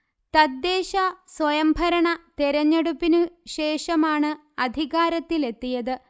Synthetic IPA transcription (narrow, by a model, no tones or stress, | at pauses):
t̪ɐd̪ːeːɕɐswɐjɐmbʱɐɾɐɳɐt̪eɾɐɲːeɽupːinɨɕe̞ːʂɐmaːɳɨ | ɐd̪ʱiɣaːɾɐt̪ːile̞t̪ːijɐðɨ